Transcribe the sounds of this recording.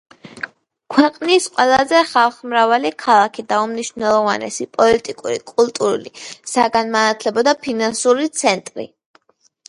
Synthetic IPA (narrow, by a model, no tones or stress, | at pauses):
kʰwɛqʼnisqʼwɛlˠazɛχalˠχmɾavalikʰalˠakʰid̪aumniʃvnɛlˠɔvanɛ̰sipʼɔlit̪ʼikʼuɾikʼulˠt̪ʼuɾṵlḭsaɡanmanat̪ʰlɛbɔd̪apʰinansuɾit̪sʰɛnt̪ʼɾḭ